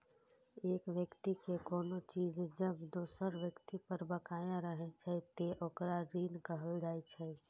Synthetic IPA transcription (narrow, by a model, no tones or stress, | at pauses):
eːkʋjəkt̪ikekɔːnot͡ʃiːd͡ʒd͡ʒəbd̪oːsəɾʋjəkt̪ipəɾbəkaːjãɾəɦet͡ʃʰɛt̪eʔokɾaɾiːnkəɦəld͡ʒaːet͡ʃʰɛ